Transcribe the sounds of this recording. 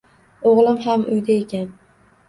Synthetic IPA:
oʁlˠɪmɦamʊjd̪aekʲʰan

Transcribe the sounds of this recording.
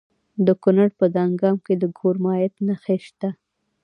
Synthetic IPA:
d̪əkʊnaɽpəd̪ɑŋɡɑmked̪əɡʱoɾmɑjat̪naxeʃt̪a

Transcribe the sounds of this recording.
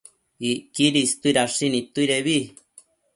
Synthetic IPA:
ikiɾist̪uiɾaʂinĩt̪uiɾeβi

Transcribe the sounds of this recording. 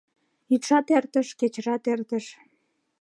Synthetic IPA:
yt̪ʃɑt̪ert̪əʃket͡ɕrɑt̪ert̪əʃ

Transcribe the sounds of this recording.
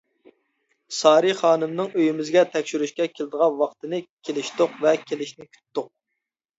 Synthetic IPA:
sɑːɾiχɑːnɨmnɨŋøjymɪzɡʲɛt̪ʰɛkʲʃyɾyʃkʲɛkʲʰelɪd̪əʁɑnwɑqt̪ɨnɨkʲʰelɪʃt̪ʊqvɛkʲʰelɪʃnɪkʲʰy̥t̪t̪ːʊq̚

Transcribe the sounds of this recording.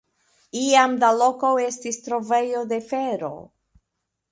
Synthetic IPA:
iamdalo̞kowe̞stistɾo̞ve̞jo̞de̞fe̞ɾo̞̰

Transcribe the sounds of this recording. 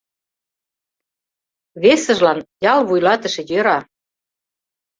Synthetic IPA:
βesə̆ʒlɑnjɑlβujlɑt̪ə̆ʃĕjøɾɑ

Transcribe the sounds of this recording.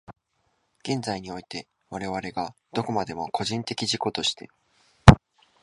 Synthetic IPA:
ɡ̥ẽ̞nzaiɲ̟io̞it̪e̞ | βaɾe̞β̞aɾe̞ɡa | d̪̥o̞ko̞mad̪e̞mokʰo̞ʑĩnt̪e̞kʲiʑiko̞t̪o̞ɕi̥t̪e̞̰

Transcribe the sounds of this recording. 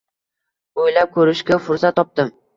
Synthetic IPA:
ojlap̚kʰɵɾɪʃkʲafʊɾsat̪ːɒp̚t̪ɪm

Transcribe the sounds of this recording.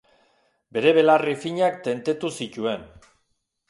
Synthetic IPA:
be̞ɾe̞βe̞larifiɲakt̪e̞nt̪e̞t̪usic̪ue̞n

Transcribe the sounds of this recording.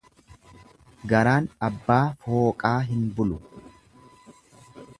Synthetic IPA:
ɡɐɾaːnɐbːaːfo̞ːkʼaːɦɪnbʊlʊ

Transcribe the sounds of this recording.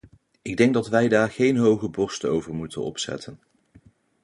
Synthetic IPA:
ɪɡ̚dɛŋɡ̚dɑtʋɛjdaːɹχejnɦowχəbɔɹstəowvəɹmutə̰nɔ̰psɛ̰tʰən

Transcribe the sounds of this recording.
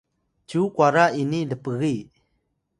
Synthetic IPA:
t͡ɕukwaɾainiləpəɣi

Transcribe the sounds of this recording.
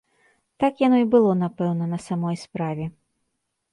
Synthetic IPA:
t̪akjanɔibɨlˠɔnapɛwnɐnɐsamɔjspɾavʲɛ

